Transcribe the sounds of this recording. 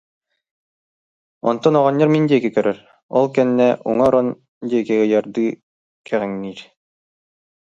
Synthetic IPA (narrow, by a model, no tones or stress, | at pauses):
ɔ̰nt̪ɔnɔʁɑnʲːɑɾmind̪iɛkɛkœɾœɾ | ɔlˠkɛnːæʔṵŋɑɾɔn | d̪ʲiɛkɛɡɛjɑɾd̪ɯ | kʰæʁæŋniɾ